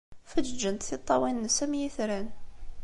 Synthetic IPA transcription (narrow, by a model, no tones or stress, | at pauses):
fæd͡ʒənt̪θit̪ˤːɑwinːəsæmjiθɾæn